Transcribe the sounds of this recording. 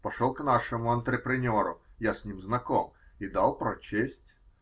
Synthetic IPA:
pɐʂolˠknaʂɨmʊɐnt̪ɾʲɪpɾʲɪnʲoɾʊ̰jasʲnʲimznɐkomid̪alˠpɾɐt͡ɕesʲtʲ

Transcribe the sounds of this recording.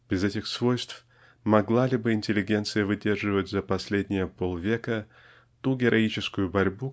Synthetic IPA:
b̥ʲɪzɛtʲɪxsvo̞jst̪f | mɐɡlˠalʲɪbɨɪnʲtʲɪlʲɪɡʲe̞nt̪sɨjəvɨdʲe̞rʐɨvətʲzɐpɐsʲlʲedʲnʲɪjəpo̞lˠvʲe̞kə | t̪uɡʲɪɾʔɐit͡ɕɪskʊjʊbɐɾʲbu

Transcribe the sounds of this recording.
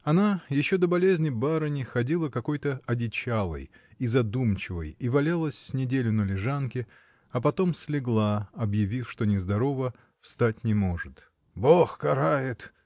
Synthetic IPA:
ɐnajɪɕːo̞d̪əbɐlʲezʲnʲɪbaɾənʲɪxɐdʲilˠəkɐko̞jt̪əɐdʲɪt͡ɕalˠə̰j | izɐd̪umt͡ɕɪvə̰jivɐlʲalˠəsʲsʲnʲɪdʲelʲʊnəlʲɪʐankʲɪ | ɐpɐt̪o̞msʲlʲɪɡlˠaɐbjɪvʲifʂt̪o̞nʲɪzd̪ɐɾo̞və | fst̪atʲnʲɪmo̞ʐɨt̪ | boxkɐɾajɪt̪

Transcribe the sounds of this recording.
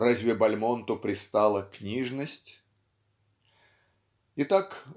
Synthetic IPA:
razʲvʲɪbɐlʲmont̪ʊpɾʲɪst̪alˠəknʲiʐnəsʲtʲ | ɪt̪ak

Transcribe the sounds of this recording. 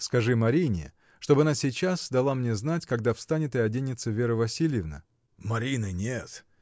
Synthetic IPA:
skɐʐɨmɐɾʲinʲɪ̰ | ʂt̪o̞bɨɐnasʲɪt͡ɕasd̪ɐlˠamnʲe̞znatʲkɐɡd̪afst̪anʲɪt̪əɐdʲenʲɪt̪səvʲeɾəvɐsʲilʲjɪvnə̰ | mɐɾʲinɨnʲet̪

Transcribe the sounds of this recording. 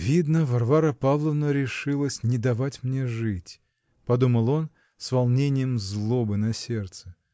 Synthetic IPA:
vʲid̪nəvɐrvaɾəpavlˠəvnəɾʲɪʂɨlˠəsʲnʲɪd̪ɐvatʲmnʲeʐɨtʲ | pɐd̪uməlˠo̞n | svɐlˠnʲenʲɪjəmzlˠobɨnɐsʲert̪sɨ

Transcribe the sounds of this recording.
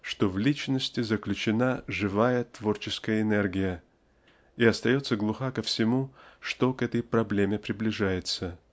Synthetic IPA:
ʂt̪o̞vlʲit͡ɕnəsʲtʲɪzəklʲʉt͡ɕɪnaʐɨvajət̪vo̞rt͡ɕɪskəjəɪnɛrɡʲɪjə | iɐst̪ɐjo̞t̪səɡlˠʊxakəfsʲɪmuʂt̪o̞kɛt̪əjpɾɐblʲemʲɪpɾʲɪblʲɪʐajɪt̪sə

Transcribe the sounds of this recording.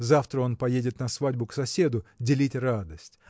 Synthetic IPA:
zaft̪ɾəo̞npɐjedʲɪt̪nɐsvadʲbʊksɐsʲe̞d̪ʊdʲɪlʲitʲrad̪əsʲtʲ

